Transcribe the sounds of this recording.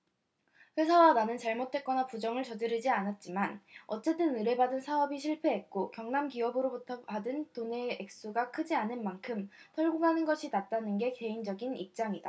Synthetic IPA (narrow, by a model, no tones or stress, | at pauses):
ɸwe̞sʰawananɯnt͡ɕaɭmotʰwe̞t̚k͈ʌnapud͡ʑʌŋɯɭt͡ɕʌdɯɾid͡ʑianat̚t͡ɕ͈imanʌt͡ɕ͈e̞t͈ɯnɯɾe̞badɯnsʰaʌbiɕʰiɭpʰe̞ɦet̚k͈okjʌŋnamkiʌbɯɾobutʰʌadɯntone̞ːk̚s͈uɡakʰɯd͡ʑianɯnmankʰɯmtʰʌɭɡuɡɦanɯnɡʌɕʰinat̚t͈anɯnɡe̞ke̞ind͡ʑʌɡinip̚t͡ɕ͈aŋida